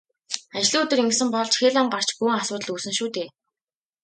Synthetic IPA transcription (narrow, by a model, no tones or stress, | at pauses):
at͡ɕ̆ɮiːɵt̪ɵ̆riŋɡ̆sɘ̆mpɔɮt͡ɕxeːɮamɢar̥t͡ɕɡuj̆ŋasʊːt̪ə̆ɮuːsɘ̆ŋʃuːt̪eː